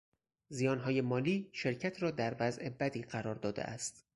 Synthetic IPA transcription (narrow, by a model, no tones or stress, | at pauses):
zijɒːnɦɒːje̞mɒːliːʃe̞ɾcʰæt̪ʰɾɒːd̪æɾvæzʔe̞bæd̪iːɢæɾɒːɾd̪ɒːd̪ḛʔæ̰st̪